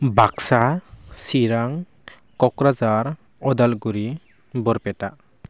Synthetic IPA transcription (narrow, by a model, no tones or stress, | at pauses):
baksasiɾaŋ | kɔkɾad͡ʒaɾ | ɔd̪alɡuɾi | bɔɾpɛtaʔ